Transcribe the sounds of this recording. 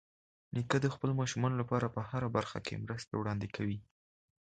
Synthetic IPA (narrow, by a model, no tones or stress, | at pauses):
nikəd̪əxpəlomɑʃumɑnolapɑɾapəhaɾabaɾxa̰kḛmɾəst̪a̰wɽɑnd̪ekʰawi